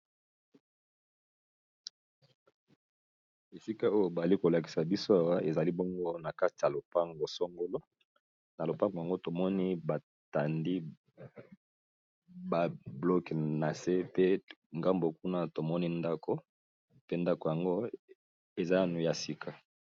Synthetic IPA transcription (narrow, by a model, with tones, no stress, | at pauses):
e˨si˦ka˦o˦jo˦ba˨a˨li˦ko˨la˨ki̥˨sa˨bi˦so˦a˨wa˦ʔe˨za˨li˦bɔ˦ŋɡo˦na˨ka˦ti˨ja˨lo˨pa˦ŋɡo˨sɔ˦ŋɡo˦lo˦ | na˨lo˨pa˦ŋɡa˨ŋɡo˦to˨mɔ˦ni˦ba˨ | ta˨ndi˦ | ba˨blɔ˦kna˨se˦pe˦ŋɡa˦mbo˨ku˦na˦to˨mɔ˦ni˦nda˦ko˨ | pe˦nda˦ko˨ja˨ŋɡo˦ | e˨za˦nu˨ja˨si˦kʰa˦